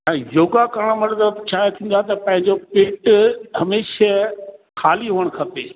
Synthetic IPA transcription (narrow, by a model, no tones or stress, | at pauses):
ɛ̃ːjoːɡakɐɾəɽ̃əmɐɾzəbt͡ɕʰaːet̪ʰĩːn̆d̪at̪ɐpɐ̃ɦɪ̃ɲ̆d͡ʑopɪʈɦɐmeːʃə | xʰaːliɦoːəɽ̃kʰɐpeː